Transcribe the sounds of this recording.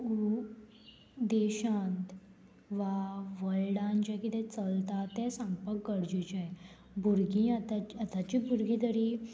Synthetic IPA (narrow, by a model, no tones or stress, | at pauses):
u | d̪eɕãnt̪ | ʋaʋəɭɽãnd͡ʑãkit̪ɛ̃t͡səlt̪at̪ɛ̃sə̃ŋpəkɡəɽd͡ʑit͡ɕa | bʱuɾɡĩat̪at͡ɕət̪at͡ɕibuɾɡĩt̪əɾi